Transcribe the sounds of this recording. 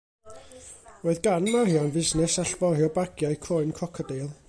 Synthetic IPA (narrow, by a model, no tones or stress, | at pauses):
roːɨðɡanmahiːanvɪznɛsaɬbɔrhiːɔbaɡjajkʰɔɨnkʰɔkʰɔdejlˠ